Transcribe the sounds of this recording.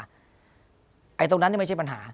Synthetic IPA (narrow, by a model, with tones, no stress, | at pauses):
ʔa˧jt̪̬o˧ŋn˧˦˥nːi˥˩ma˥˩t͡ɕʰa˥˩pa˧nɦa̰ː˩˦